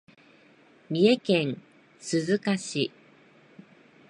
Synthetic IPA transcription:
mʲie̞kẽ̞ɴ̃ | sɨzɨkaɕi

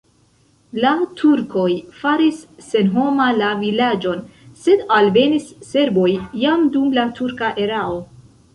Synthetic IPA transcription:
latʰuɾko̞jfaɾisːe̞nɦo̞malavilad͡ʒo̞nse̞dalve̞nisːe̞ɾbo̞jːamdumlatʰuɾkaʔe̞ɾao̞

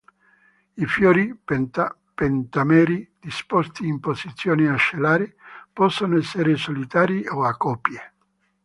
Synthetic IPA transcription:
ifjɔːɾi | pent̪amɛːɾid̪̥ispɔst̪iːmpozit̪sːjoːneaʃːelaːɾepɔsːonoɛsːeɾesolit̪aːɾioakːɔːpje

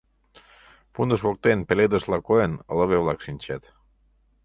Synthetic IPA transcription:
pund̪əʃβok̚t̪enpeled̪əʃlɑkoenələβeβlɑkʃinʲt͡ɕæt̪

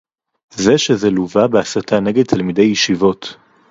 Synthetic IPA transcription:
zeʃezeluvabeasatʰaneɡed̪̚t̪ʰalmide̞jːiʃivo̞t

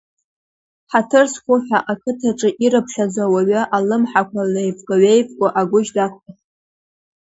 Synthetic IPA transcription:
ħatʰɨrsχʷʊħʷᶣaʔakʰɨtʰaʈ͡ʂʼɨʔiɾɨpʰʃazawaɥaʔalɨmħakʷʰalejpʼkʷʼaɥejpʼkʷʼaʔaɡʷʊʒdakʷʰa

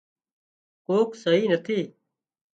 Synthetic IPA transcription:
koːksəɦiːnət̪ʰiː

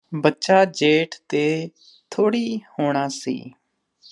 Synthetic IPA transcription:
bətːʃaːd͡ʒeːʈʰt̪eː | t̪ʰoːɽiːhoːɽ̃aːsḭː

